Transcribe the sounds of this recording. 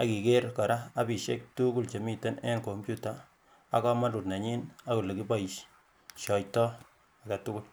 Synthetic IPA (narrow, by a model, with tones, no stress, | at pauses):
a˨ki˨ke˦ɾkɔ˨ɾa˦a˦bi˨ʃe˦k̚tu˦ku˦lt͡ʃe˨mi˨te˦ne˦nko˨mpju˦ta | a̰˦kɔ˦ma˦tu˨tna˨ɲi˦na˦ku˨le˨ki˦ba˦iʃ | ʃɔ˨jtɔ˦ | a˨ka˨tu˦ku˦l